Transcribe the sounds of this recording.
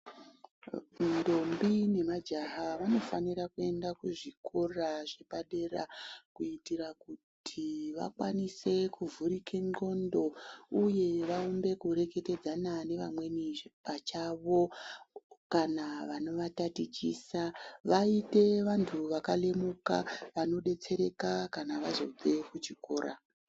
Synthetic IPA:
ndo̞mbine̞mad͡ʒaɦaʋano̞faniɾakue̞ndakuʐikʰoraʐepaɗe̞ra̰kuitiɾakutʰiʋa̰kwanise̞kuvuɾikʰe̞ŋ͡ǃŋ͡ǃo̞ndo̞uje̞ʋaumbe̞kuɾe̞ke̞te̞d͡zanane̞ʋamwe̞nipat͡ʃaʋo̞ | kanaʋano̞ʋatatit͡ʃiːsaʋaite̞ʋantʰuʋakale̞muka̰ʋano̞ɗe̞t͡se̞ɾe̞kakanaʋazo̰d͡ze̞kut͡ʃiko̞ːɾa̰

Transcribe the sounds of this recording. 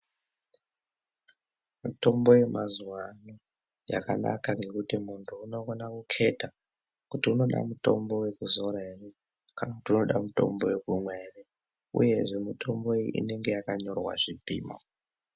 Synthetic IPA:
muto̞mbo̞je̞mʔazuwano | ja̰ka̰na̰kaŋɡe̞kutimuntʰuːno̞konakukʰe̞ta | kutiuno̞ɗa̰muto̞̰mbo̞we̞kuzo̞ɾaere | kanakutiuno̞ɗamuto̞̰mbo̞we̞kumweːre | ṵje̞ʐe̞mitʰo̞mbo̞iʔḭne̞ŋɡe̞jakaɲo̞rwa̰ʐipḭːma̰

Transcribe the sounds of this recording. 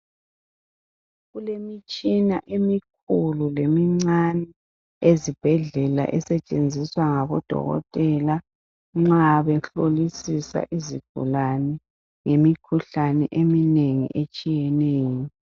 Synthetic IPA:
ɣulemit͡ʃʼinaʔemik̚ʰululemiŋ͡ǀanɛ | ezib̥ʱɛɮɛla̰ʔɛsɛt͡ʃʼend͡zʱiswaŋaβɔd̥ʱɔ̰ɣɔ̰tʼɛla | ŋ͡ǁaβɛɬolisisa̰ʔizḭɡ̥ʱṵlanɛ | ŋemikʰuɬanɛʔemineŋḭʔet͡ʃʼijɛneːjɔ

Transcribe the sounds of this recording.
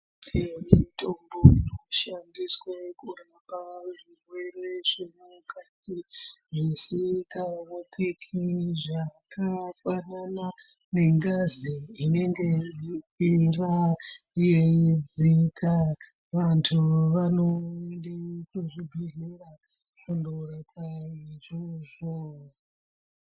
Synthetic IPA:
imitʰʼomboinoʃandiswekurapaʐirwe̞reʐimukatiʐisikawekikʰiʐakʰafanana | ne̞ŋɡaziːne̞ŋɡe̞ʐikira | jed͡zikʰa | ʋantʰuʋanondikuʐidʱuɦira | kandoɾakʰaiʐoʐo

